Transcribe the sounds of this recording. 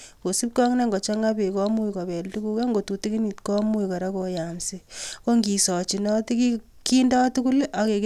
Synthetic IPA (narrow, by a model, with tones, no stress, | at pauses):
ko˨si˦p̚kɔ˦ŋne˦ŋɡɔ˨t͡ʃɔ˦ŋa˦pe˨kɔ˦mu˦iko˨bɛ˨ltu˦ku˦ka˦ŋɡo˨tu˨ti˦ki˦ni˨tkɔ˦mu˦jka˨ɾa˦ko˨ja˨msi˦ko˦ŋɡi˨sɔ˨t͡ʃi˨nɔ˦ti˦ki˦ | ki˦ndɔ˦tu˦ku˦lʔa˨ke˨k